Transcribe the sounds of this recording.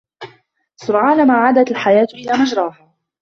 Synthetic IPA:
sʊɾʕaːnamaːʕaːd̪at̪alħajaːt̪ʔɪlaːmad͡ʒɾˤɑːha

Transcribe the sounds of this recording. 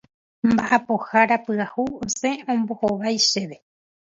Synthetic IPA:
mbaʔapohaɾapɨahuosẽ̞õmbo̞hoʋajʃeʋe

